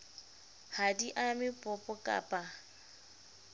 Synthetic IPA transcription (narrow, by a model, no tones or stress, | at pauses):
hadiʔamɪpʼɔpʼɔkʼa̰ːpʼa